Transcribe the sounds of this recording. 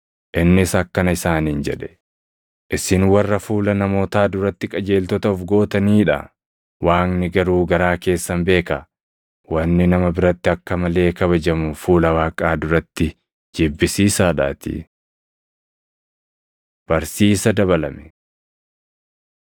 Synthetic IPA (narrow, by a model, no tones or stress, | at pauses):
ʔɪnːɪsɐkːɐnɐɪsaːniːnd͡ʒɛᶑɛ̥ | ʔɪsɪnwɐrːɐfuːlɐnɐmo̞ːt̪aːd̪ʊɾɐt̪ːɪkʼɐd͡ʒe̞ːlt̪ɔt̪ɐɔfɡo̞ːt̪ɐniːᶑɐ̰ | waːŋnɪɡɐɾuːɡɐɾaːke̞ːsːɐnbe̞ːkɐ | wɐnːɪnɐmɐbɪɾɐt̪ːɪɐkːɐmɐle̞ːkɐβɐd͡ʒɐmʊfuːlɐwaːkʼaːd̪ʊɾɐt̪ːɪ | d͡ʒeːbːɪsiːsaːᶑa̰ːt̪ḭ | b̥ɐɾsiːsɐd̪ɐβɐlɐmɛ̥